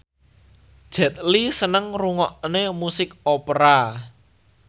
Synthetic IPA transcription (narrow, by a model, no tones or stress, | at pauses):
d̥ʒ̥ɛ̤t̪̚lisənəŋruŋɔʔnemusɪk̚opɾa